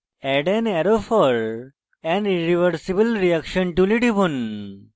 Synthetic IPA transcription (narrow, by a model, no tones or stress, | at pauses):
ɛɖɛnɛɾofɔɾ | ɛ̃niɾiʋəɾsibəlɾiakʃənʈuliʈibʱun